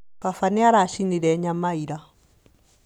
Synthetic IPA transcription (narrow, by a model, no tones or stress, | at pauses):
pafaniaɾaʃiniɾɛɲamaiɾa